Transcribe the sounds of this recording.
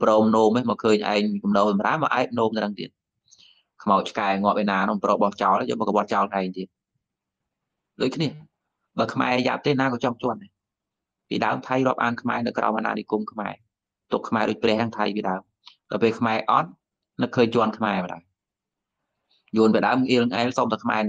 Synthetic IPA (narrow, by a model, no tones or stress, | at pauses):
prɔːmnoːmemɔːkʰəːɲʔa̰ɛŋkumnoːməɾa̰ːmɑ̰ːʔaɛk̚noːmt̪ɾəŋt̪ḭət̪̚ | kʰmaɔt͡ɕʰkaɛŋŏəp̚ʔenaːnʊŋproːɓɑht͡ɕaɔlajə̰ːŋməkːɓoɑt̚t͡ɕaɔlnʔaɛŋt̪iət̪̚ | ɗoːc̚kʰniə | ɓaːkʰma̰ɛja̰p̚t̪eːnaːkɔt͡ɕɑŋt͡ɕoəna | pḭːɗaəmt̪ʰajrŏəp̚ʔa̰ːnkʰma̰ɛnɨwkrʔa̰ɔmʔana̰ːnikumkʰma̰ɛ | t̪ukʰːmaɛɗoəc̚prɛ̆əhnaŋt̪ʰa̰jpiːɗaəm | ɗɑpeːlkʰmaɛʔɑ̰t̪̚ | nɨkʰːəːɲt͡ɕoənkʰmaɛməɗa̰əm | juənpiəɗaəmŋʔiəlŋʔaɛlsoːmt̪akʰma̰ɛ